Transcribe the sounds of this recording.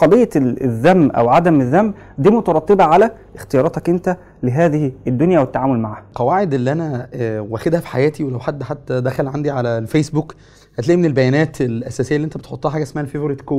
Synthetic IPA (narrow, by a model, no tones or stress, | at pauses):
qɑd̪ejːɑðːæmbʔæ̰wʕad̪æmeðːæmb | d̪iːmot̪ɑɾˤɑt̪ˤːebæʕalæ | ʔext̪ejɑːɾˤɑːt̪ɑkʔent̪æ | leɦæːðɪhed̪ːonjæwet̪ːaʕaːmolmaʕaːhæqɑwaːʕed̪ʔelːiʔænæwæxed̪hæfi̥ħajæːt̪iwelæwħad̪ːħat̪ːæd̪æxælʕand̪iʕalælfeːsbuk | hæt̪læʔimenelbæjæːnæːt̪elʔæsæːsejːælːiʔent̪æbet̪ħot̪ˤːɑhħaːɡæesmæhælfevoɾet̪koː